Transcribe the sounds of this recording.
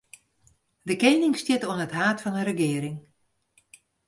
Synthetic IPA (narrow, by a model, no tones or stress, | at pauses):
dəkejnɪŋstjɪtoənətɦaːtfɔnərəɡɪːɾɪŋ